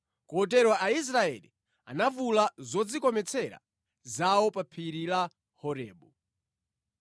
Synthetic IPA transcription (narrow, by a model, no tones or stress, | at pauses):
kɔɔt̬ɛɾwaʔais̬ɾaɛ̰lḭ | a̰navulazɔd͡zikɔmɛt͡sʰɛɾa̰ | zawɔpapʰiɾila | hɔɾɛːɓɔ